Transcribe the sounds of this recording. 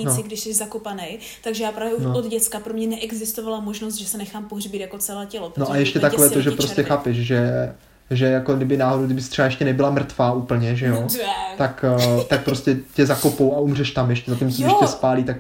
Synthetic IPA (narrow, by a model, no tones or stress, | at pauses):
inosɪɡdɪʃsɛʒzakopanej | t̪aɡʒɛjaːpɾaːvjɛunood̪ɟɛt͡skapɾomɲɛnɛʔɛɡzɪst̪ovalamoʒnos̬t̪ʒɛsɛnɛxaːmpoɦrbɪt̪jako̞t͡sɛlɛːcɛlopɾonoʔajɛʃcɛt̪akovɛːt̪oʒɛpɾostcɛxaːpɛʃʒɛ | ʒɛjako̞dɪbɪnaːɦodowɡdɪbɪst̪r̥ɛbajɛʃcɛnɛbɪlamɾr̩t̪vaːʔuːpl̩ɲɛʒɛjo̞t̪akt̪ak̚pɾoscɛcɛzako̞powaumrɛʃt̪amjɛʃcɛzacimsoɪʃcɛspaːliːt̪ak